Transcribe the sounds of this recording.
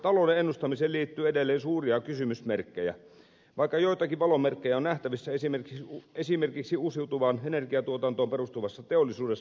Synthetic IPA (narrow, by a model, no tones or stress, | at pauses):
t̪ɑloˑudeenːust̪ɑmiseːliːt̪ːyːedelːeːnsuːriɑkysymysmerkːejæ̰ | ʋɑˑikːɑjoit̪ɑkiʋʋɑlomerkːejæonæht̪æʋisːæesimerkiesimerkiksiuːsiut̪uʋɑːnenerkiɑt̪uot̪ɑnt̪oːmperust̪uʋɑsːɑt̪eolːˑisuːdes